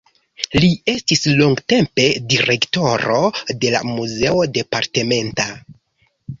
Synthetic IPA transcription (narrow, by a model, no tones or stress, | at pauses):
lie̞stisloŋɡte̞mpe̞diɾe̞kto̞ɾo̞de̞la̰muze̞o̞de̞paɾte̞me̞nta